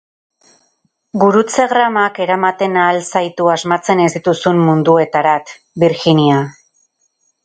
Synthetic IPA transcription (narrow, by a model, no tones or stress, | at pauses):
ɡuɾut͡se̞ɣɾamake̞ɾamat̪e̞naːlsajt̪uazmat͡se̞ne̞zd̪it̪usummund̪ue̞t̪aɾat̪ | biɾxinia